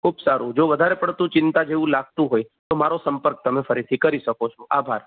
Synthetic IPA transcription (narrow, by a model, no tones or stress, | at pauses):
kʰubsaɾũd͡ʒoʋəd̪ʱaɾepəɽt̪ũt͡ʃɪnt̪ad͡ʒeʋũlaɡ̚t̪ũɦojt̪omaɾosəmpəɾk̚t̪əmefəɾit̪ʰikəɾiʃəkot͡ʃʰoʔabʱaɾ